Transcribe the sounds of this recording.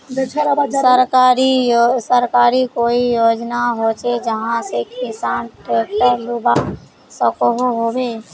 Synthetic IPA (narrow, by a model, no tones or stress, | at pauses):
səɾkaɾisəɾkaːɾikoijod͡ʒnaɦot͡ʃed͡ʒəɦãsekɪsaːnʈɾeːk̚ʈəɾluba | səkoɦoɦobe